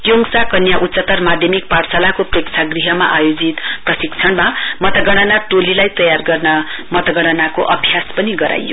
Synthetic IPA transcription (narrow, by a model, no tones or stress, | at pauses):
t̪joŋsakʌnjaʔut̪t͡ssʌt̪ːʌrmad̪ʱjʌmik̚parsalakoprekt͡sʰaɡriɦʌmaʔajod͡zit̪prʌsikt͡sʰʌɽmamʌt̪ʌɡʌɽ̃ʌnaʈolilajt̪ʌjarɡʌrnʌmʌt̪ʌɡʌɽ̃ʌnakoʔʌbʱijaspʌniɡʌɾa̰jːo̰